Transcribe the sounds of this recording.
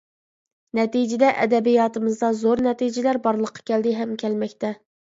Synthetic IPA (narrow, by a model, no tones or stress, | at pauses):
nɛt̪id͡ʒɪd̪ɛʔɛ̰d̪ɛbijɑːt̪ʰɨmɨzd̪ɑzoɾnɛt̪id͡ʒɪlæɾbɑɾlˠəqʰːɑ̥kʲɛld̪ɪɦɛmkʲʰɛlmɛkʲt̪ʰɛ